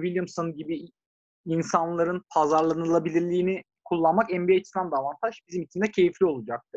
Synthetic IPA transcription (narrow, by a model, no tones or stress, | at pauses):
vilʲjɯmsonɟibi | insanlˠaɾɯnpʰazaɾlˠanɯlˠabilʲiɾlʲiːni | kʰulˠːanmakɛmbiat͡ʃʰisnand̪aːvant̪ʰaʃbizimit͡ʃʰimd̪ɛcʰe̞jiflʲio̞lˠud͡ʒak̚t̪ʰɯ